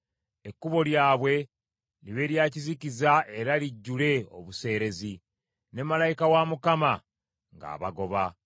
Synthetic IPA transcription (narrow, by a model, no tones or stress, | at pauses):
e̞kːuβo̞ljaːβwe̞ | liβe̞ɾjaːcizicizae̞ɾaliɟːule̞o̞̰βuse̞ːɾe̞zi | ne̞malajikawamukama | ŋɡa̰ːβaɡo̞βa